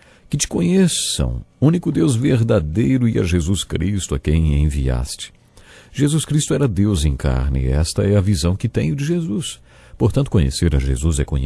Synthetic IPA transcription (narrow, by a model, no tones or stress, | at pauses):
kɪt͡ʃɪ̥kõɲesɐ̰̃w̃ũnikʊd̪ewzveɾd̪ad̪ejɾʊɪɐ̰ʒezuskɾist̪ʊɐkẽj̃ḛ̃via̰st͡ʃɪ̥ | ʒ̥ezuskɾist̪ʊɛɾɐd̪ewzẽka̰ɾnɪ̰ɛst̪ɐɛɐvizɐ̃w̃kɪt̪ẽj̃ʊd͡ʒɪʒezus | poɾt̪ɐ̃nt̪ʊkõɲḛseɾɐʒḛzuzɛkõɲ